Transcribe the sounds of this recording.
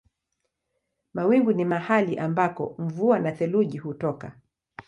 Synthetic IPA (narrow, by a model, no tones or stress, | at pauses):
mawiŋɡunimahaliʔambakɔ̰ɱvuanaθɛluʄihutɔka